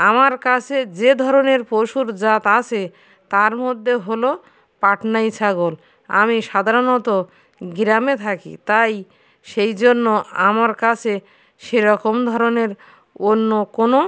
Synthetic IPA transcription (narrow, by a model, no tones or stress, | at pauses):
amaɾkat͡ɕʰed͡ʑed̪ʱɔɾoneɾpoʃuɾd͡ʑat̪at͡ɕʰe | t̪aɾmod̪ʱːeɦolo | paʈnajt͡ɕʰaɡol | a̰miʃad̪ʱaɾonɔt̪o | ɡɾamet̪ʰakḭt̪aj | ʃejd͡ʑonːoamaɾkat͡ɕʰe | ʃeɾɔkomd̪ʱɔɾoneɾ | onːokono